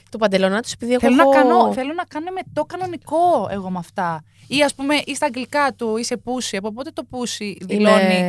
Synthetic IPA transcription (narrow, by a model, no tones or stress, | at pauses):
t̪opɐnd̪e̞lonɐt̪use̞piðieθeoɣnɐokɐoθelonɐkɐno̞me̞t̪okɐno̞niko̞e̞̰ɣo̞mɐft̪ɐ | iɐspume̞ʔist̪ɐɡlikɐt̪uise̞pusiɐpo̞p̬ot̪e̞t̪o̞pusiðiloni